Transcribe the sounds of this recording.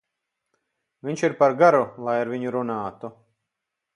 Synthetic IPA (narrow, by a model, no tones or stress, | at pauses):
vʲiɲʲt͡ʃiɾpaɾɡaɾulˠajaɾviɲuɾunaːt̪u